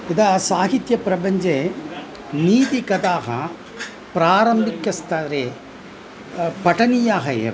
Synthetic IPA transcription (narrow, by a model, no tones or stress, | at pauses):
id̪aːsaːɦit̪jɐpɾɐbɐɲd͡ʒe | niːt̪ikɐd̪aːɣɐ | pɾaːɾɐmbʱikːɐst̪aːɾe | pɐʈɐnijaːɣɐḛːɾ